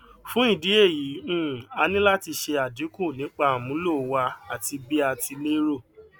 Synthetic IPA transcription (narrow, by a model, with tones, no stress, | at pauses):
fũ˦i˦˨di˨˦e˦˨ji˨˦ũ˦˨a˧nĩ˦la˦ti˧ʃe˧a˨di˨˦kũ˦˨nĩ˨˦k͡pa˧a˨mũ˨˦lo˦˨˦wa˧a˨ti˧bi˦a˧tʰi˧le˦ɾo˦˨